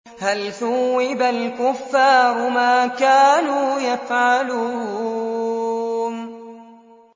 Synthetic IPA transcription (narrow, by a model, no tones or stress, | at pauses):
halθʊwːɪbalkʊfːaːɾʊmaːkaːnuːjafʕalu | n